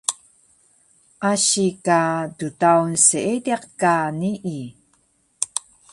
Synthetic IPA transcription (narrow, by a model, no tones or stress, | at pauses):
ʔaɕikadutawnsəʔediqkaniʔi